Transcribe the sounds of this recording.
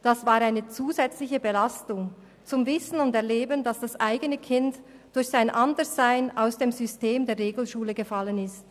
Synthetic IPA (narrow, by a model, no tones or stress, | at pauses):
d̥asv̥aːɾaɪnət͡suːzɛt͡slɪçəbəlastʊŋ | t͡sʊmvɪsn̩ʊndɛɐleːbəndasd̥asʔaɪɡənəkʰɪnt | d̥ʊɾçsaɪnʔandəz̥aɪna̰ʊsd̥eːmzʏsteːmdeːʁeːɡl̩ʃuːləɡəfalənɪst